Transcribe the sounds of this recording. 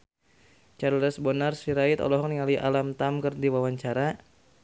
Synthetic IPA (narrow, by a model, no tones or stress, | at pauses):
t͡ʃarləsbɔnarsiɾait̪ɔ̰lɔɦɔŋniŋaliʔa̰lamt̪amkɨrdiwawaɲt͡ʃaɾa